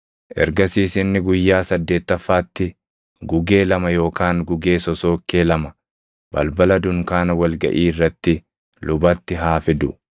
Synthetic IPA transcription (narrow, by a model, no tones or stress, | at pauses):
ʔɛ̰ɾɡɐsiːsɪnːɪɡʊjːaːsɐd̪ːe̞ːt̪ːɐfːaːt̪ːɪ | ɡʊɡe̞ːlɐmɐjo̞ːkaːŋɡʊɡe̞ːsɔso̞ːkːeːlɐmɐ | b̥ɐ̰lbɐlɐd̪ʊŋkaːnɐwɐlɡɐ̰ʔiːrːɐt̪ːɪ | lʊbɐt̪ːɪɦaːfɪd̪ʊ